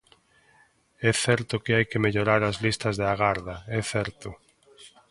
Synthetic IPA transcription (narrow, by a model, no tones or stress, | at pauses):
ɛθɛɾt̪ʊkɪajkemeʎoɾaɾɐzlist̪ɐzðeaɣaɾðɐɛθɛɾt̪ʊ